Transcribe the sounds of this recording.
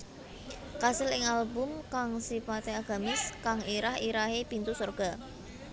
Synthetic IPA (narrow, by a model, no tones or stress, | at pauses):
kasɪlɪŋalbʊmkaŋsipat̪eaɡ̥a̤mɪskaŋiɾahiɾaɦepint̪usɔrɡ̥a̤